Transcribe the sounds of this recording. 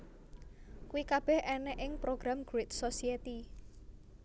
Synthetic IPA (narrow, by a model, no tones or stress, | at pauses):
kuwikab̥ɛ̤hʔɛnɛʔɪŋpɾoɡ̥ɾamɡ̥wɪt̪sosiet̪i